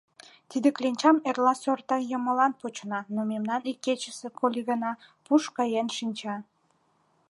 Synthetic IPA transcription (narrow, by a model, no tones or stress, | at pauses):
t̪id̪eklenʲt͡ɕɑmerlɑsørt̪ɑjəməlɑnpot͡ɕənɑnomemnɑnikːet͡ɕəsekʰolʲiɣənɑpuʃkɑjenʃinʲt͡ɕɑ